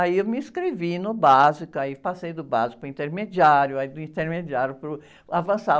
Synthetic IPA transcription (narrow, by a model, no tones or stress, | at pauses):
aiewmɪĩskɾevinʊbazikʊaipasejd̪ʊba̰zikʊĩnt̪eɾmed͡ʒiaɾjʊaid̪ʊĩnt̪eɾmed͡ʒiaɾjʊpɾʊ | avɐ̃sa